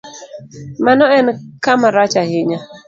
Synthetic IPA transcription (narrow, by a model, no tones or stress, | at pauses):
manɔɛnkamaɾat͡ʃahɪɲa